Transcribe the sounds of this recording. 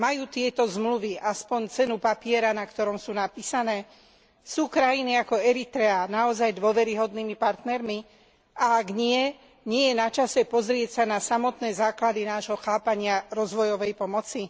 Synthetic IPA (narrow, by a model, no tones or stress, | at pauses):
majuːt̪ɪɛt̪ɔzmluʋiʔaspɔɲt͡sɛnupapɪɛɾanakt̪ɔɾɔmsuːnapiːsanɛː | suːkɾajiniakɔɛɾit̪ɾɛanaɔzajd̪ʊɔʋɛɾiɦɔd̪niːmipaɾt̪nɛɾmi | ʔaaɡɲɪɛ | ɲɪɛjɛnat͡ʃasɛpɔzɾɪɛcsanasamɔt̪nɛːzaːklad̪inaːʒɦɔxaːpaɲɪaɾɔzʋɔjɔʋɛjpɔmɔt͡si